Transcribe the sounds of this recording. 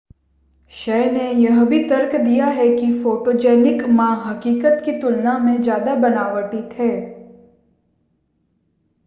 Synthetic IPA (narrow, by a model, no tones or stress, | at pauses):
ʃɛːnejɐɦbʱit̪ɐɾkd̪ijaɦɛkifoːʈoːd͡ʒɛːnɪkmãːɦɐkiːkət̪kit̪ʊlnamẽd͡ʒjaːd̪abɐnaːʋəʈit̪ʰɦɛː